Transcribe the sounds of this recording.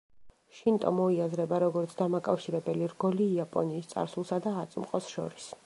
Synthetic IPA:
ʃint̪ʼɔ̰mɔiazɾɛbaɾɔɡɔɾt̪sʰd̪amakʼafʃiɾɛbɛliɾɡɔliːapʼɔ̰niːst̪sʼa̰ɾsulˠsad̪aːt̪sʼmqʼɔsʃɔ̰ɾis

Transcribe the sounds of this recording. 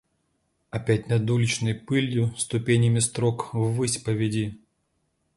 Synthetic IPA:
ɐpʲæt̚ʲnɐd̪ulʲɪt͡ɕnəjpɨlʲjʊst̪ʊpʲenʲɪmʲɪst̪ɾokvɨsʲpəvʲɪdʲi

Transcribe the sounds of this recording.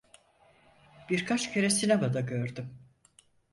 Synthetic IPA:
b̥iɾkʰat͡ʃcʰe̞ɾɛsinabad̪aɟøɾd̪ym

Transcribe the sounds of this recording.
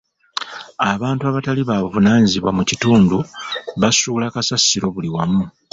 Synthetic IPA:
aβaːntuaβataliβaːβuvunaːɲiziβwamucituːnduβasuːlakasasiɾo̞βuliwamu

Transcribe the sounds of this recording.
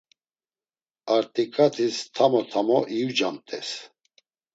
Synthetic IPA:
aɾt̪ʼikʼat̪ʰist̪ʰamɔt̪ʰamɔʔiud͡ʒamt̪ʼɛs

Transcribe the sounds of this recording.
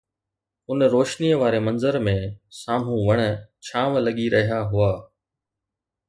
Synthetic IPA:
ʊnɾoːʃniəʋaːɾemɐ̃nzəɾmẽsaːm̤ũʋɐɽ̃ə̆t͡ɕʰaːmlɐɠiɾɐɦijaɦʊaː

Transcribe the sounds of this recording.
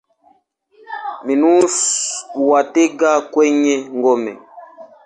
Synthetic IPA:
minuswateɡakwɛɲɛŋɡɔmɛ̰

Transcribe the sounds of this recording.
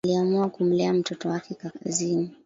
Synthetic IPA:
liamuakum̩lɛam̩tɔtɔwakɛkaka̰zini

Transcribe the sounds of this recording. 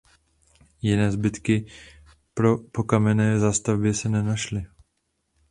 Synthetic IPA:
jɪnɛːzbɪt̪kɪ | pɾo̞po̞kamɛnɛːzaːst̪avbɪsɛnɛnaʃlɪ

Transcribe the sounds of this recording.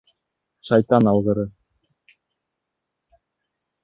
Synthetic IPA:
ʃɑjt̪ɑnɑlˠʁɤ̆ɾɤ

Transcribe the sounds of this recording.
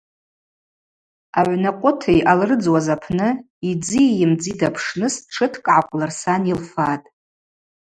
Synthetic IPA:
aʕʷnaqʷʼʊtʰejʔalrɨd͡zwazapʰnɨ | id͡zijɪmd͡zidapʰʂnɨsʈ͡ʂʰɨtʰkʼʕakʷʼlarsanilfatʼ

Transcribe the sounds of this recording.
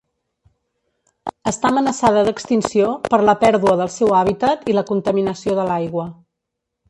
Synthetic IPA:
əst̪amənəsaðəðəkst̪insiopəɾləpɛɾðuəðəlˠsɛwaβ̞it̪ət̪iləkunt̪əminəsioðəlajɣwə

